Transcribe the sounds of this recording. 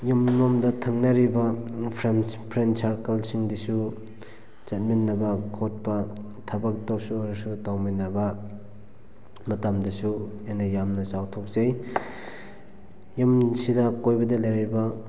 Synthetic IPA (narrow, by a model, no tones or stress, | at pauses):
jɯmɾomdɐtʰɐŋnɐɾibɐpʰɾenpʰɾentsaɾkelsiŋdisu | zɐt̚minːɐbɐkʰot̚pɐ | tʰɐbɐk̚dowsuaɾɐsutawminːɐbɐ | mɐtamdɐsu | ajnɐjamnɐsawtʰok̚zaj | jɯmsidɐkojbɐdɐlajɾibɐ